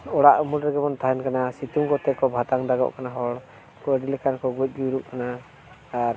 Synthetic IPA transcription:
ɔɽaʔumulɾɛɡɛbɔnt̪ʰaɦɛnkanasit̪umkɔt̪ɛkɔbʱat̪aŋd̪aɡɔ̰ʔkanaɦɔɽ | kɔəɖilɛkankɔɡuɛc̚ˀɡuɾuʔkanaː | ɾ

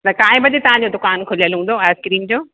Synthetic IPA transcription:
t̪ɐkaːɦɪ̃bɐd͡ʑet̪ɐʋ̤ãɲd͡ʑoːd̪ʊkaːnkʰʊlijəlɦũn̆d̪oɛːskɪɾĩŋɡd͡ʑoː

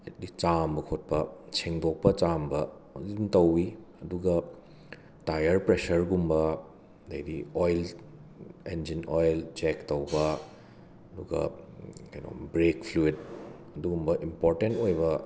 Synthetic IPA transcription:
edit͡ʃambɐkʰot̚pɐsʰeŋdok̚pɐt͡ʃambɐduntɐwiɐduɡɐ | tajɐɾpɾesɐɾɡumbɐ | dɐjdiojl | end͡ʒinojlt͡ʃektɐwbɐ | ɐduɡɐ̰kɐjno̰bɾekpʰluid | ɐduɡumbɐʔimpoɾtentojbɐ

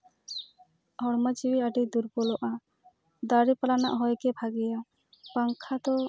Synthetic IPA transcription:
hɔɽmat͡ʃiwiaɖid̪uɾbɔlɔʔa | d̪aɾipalana̰ʔɦɔjkɛbʱaɡɛja | paŋkʰat̪ɔ

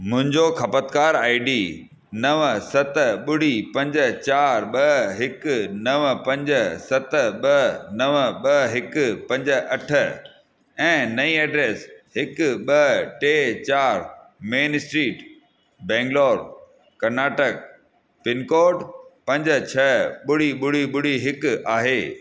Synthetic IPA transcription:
mʊ̃ɦɪ̃ɲd͡ʑokʰɐpət̪kaːɾaːiɖiː | nɐʋsɐt̪ɓʊɽ̤ipɐ̃ɲd͡ʑət͡ɕaːɾɓɐɦɪknɐʋpɐ̃ɲd͡ʑəsɐt̪ɓɐnɐʋɓɐɦɪkʊpɐ̃ɲd͡ʑə̆ɐʈʰə̆ | ɛ̃ːnɐĩɛːɖɾeːsɦɪkɓɐʈeːt͡ɕaːɾ | meːnsʈɾiːʈ | bɛ̃ːŋɡloːɾ | kɐɾnaːʈək̚ | pɪnkoːɖpɐ̃ɲd͡ʑə̆t͡ɕʰɐɓʊɽ̤iɓʊɽ̤iɓʊɽ̤iɦɪkaːɦeː

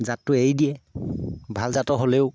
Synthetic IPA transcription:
zatːʊejdijɛ | bʱalzatɔɦoleʊ

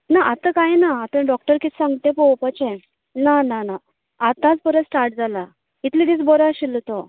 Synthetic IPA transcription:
naʔat̪əkajnaːt̪ə̃ɖɔk̚ʈəɾki̥sãŋɡt̪ẽpowpət͡ɕẽ | nanana | at̪ãt͡spəɾəsʈaɾʈ̚d͡zʱala | it̪lid̪it͡sbɔɾaɕilt̪o

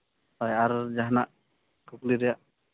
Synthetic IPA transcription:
ajaɾd͡ʒaɦnaʔ | kukliɾɛjaʔ

